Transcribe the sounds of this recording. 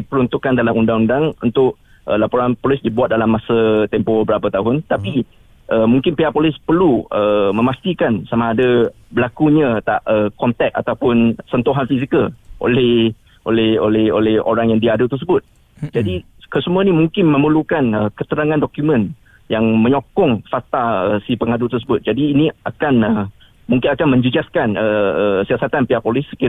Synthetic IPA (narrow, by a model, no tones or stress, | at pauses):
ipəɾunt̪ukandalamundaŋundaŋṵnt̪ʊʔ̚ | ʔə̰lapoɾanpolɪsdibuat̪̚dalamːasat̪ɛmpobəbəɾapat̪aɦʊnt̪api | ʔəmũŋkɪnpeapolɪspərluəmə̃mast̪ikansamaːda | bəlakuɲãt̪a̰ʔəkɔnt̪ɛk̚a̰t̪awpʊnsənt̪uɦanfisikəlʔo̰lɛh | ʔo̰lɛho̰lɛho̰lɛho̰ɾaŋjaŋdiaːdət̪ərsəbʊt̪̚ | d͡ʒadi | kəsəmuanimuŋkɪnmə̃məlukanəkət̪əɾaŋãndɔkjumə̃n | jaŋmə̃ɲokɔŋfat̪aəsipəŋadut̪ərs̬əbʊt̪̚d͡ʒadiːniakanə | muŋkɪnakanmə̃ɲd͡ʒud͡ʒaskanəəsiasat̪anpiapolɪsːə̥ki